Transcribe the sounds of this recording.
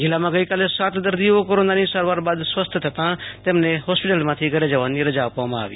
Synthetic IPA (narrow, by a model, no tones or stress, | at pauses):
d͡ʒɪlamãɡəikaːlesaːt̪d̪əɾd̪iokoɾõːnd̪aːnĩsəɾʋaːɾbaːd̪sʋəst̪ʰt̪ʰət̪ãt̪eːmnẽɦoːspɪʈəlmãt̪ʰiɡəɾed͡ʒaʋaniɾəd͡ʒaʋpamã̰ːʋḭː